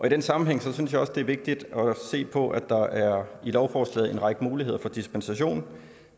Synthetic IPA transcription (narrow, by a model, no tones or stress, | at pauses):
ʔɒ̽iɾ̥ensɑ̈mm̩ɦeŋ̰sɒ̽synsjɑ̈ɒ̽sd̥e̝æɐʋe̝ɡ̥̚d̥id̥ɒse̝̰ːpʰɒ̽ʔæd̥ɑ̈ʔæɐilɒʊfɒːslɛ̰ːð̩ˠe̝nʁɑ̈ɡ̥əmuːliɦe̝ð̞̰ˠɐfɒ̽d̥isb̥ensæɕo̝̰ːn